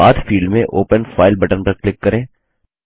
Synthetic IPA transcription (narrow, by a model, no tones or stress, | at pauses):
a̰ːt̪fiːɭɖmẽʔoːpənfaːɪlbɐʈəɾpɐɾklɪkːɐɾẽː